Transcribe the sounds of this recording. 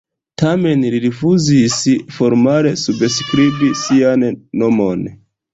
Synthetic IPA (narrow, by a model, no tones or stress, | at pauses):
tame̞nliɾifuzisfo̞ɾmale̞subskɾibisianːo̞mon